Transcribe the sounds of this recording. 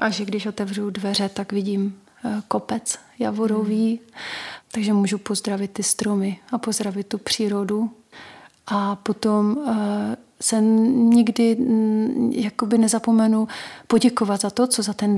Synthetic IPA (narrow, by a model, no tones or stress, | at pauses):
ʔaʒɛɡdɪʃʔo̞t̪ɛvr̝udvɛr̝ɛt̪aɡvɪɟiːm | ko̞pɛt͡s | ja̰voɾo̞viː | t̪aɡʒɛmuːʒupo̞zd̪ɾavɪt̪ːɪst̪ɾo̞mɪapozd̪ɾavɪt̪̚t̪ːupr̝̥iːɾo̞du | ʔapo̞t̪om | sɛɲɪɡdɪ | jako̞bɪnɛzapo̞mɛnupo̞ɟɛko̞vat̪zat̪o̞t͡so̞zat̪ɛn